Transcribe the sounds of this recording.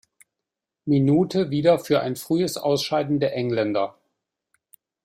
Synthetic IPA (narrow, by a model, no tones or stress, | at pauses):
minuːtʰəviːdɐfyːɐʔa̰ɪnfʁ̥yːəsʔa̰ʊsʃaɪdn̩deːɐʔɛŋlɛndɐ